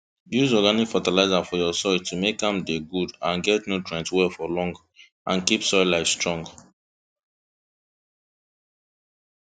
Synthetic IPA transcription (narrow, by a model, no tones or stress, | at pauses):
juzɔɡanikfatalaɪzafɔjɔsɔtʰumekãmdeɡudãnɡɛtnotɹɛ̃ntwɛlfɔlɔ̃ŋɡ | ʔãnkipsɔjlaɪfstɹɔ̃ŋɡ